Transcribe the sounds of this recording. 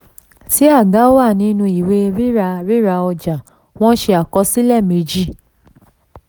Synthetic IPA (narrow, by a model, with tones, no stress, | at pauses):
si˨˦a˦˨ɡa˨˦o˦wa˦˨nĩ˧˦nũ˧i˨we˧ɾi˦ɾa˧ɾi˦ɾa˧ɔ˧d͡ʒa˨ | w̃ɔ̃˦ʃe˧a˨kɔ˧si˦lɛ˦˨me˧d͡ʒi˦˨